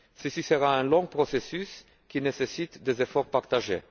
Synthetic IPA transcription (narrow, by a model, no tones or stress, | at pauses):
səsisəʁaɛ̃lɔ̃ɡpʁɔsesys | kʲinesesit̪d̪ezefɔʁpaʁt̪aʒḛ